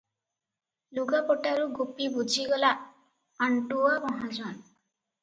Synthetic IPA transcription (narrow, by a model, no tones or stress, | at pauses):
luɡapɔʈaɾuɡupibud͡ʒʱiɡɔlaː | ɳʈuɔbɔɦɔd͡ʒɔn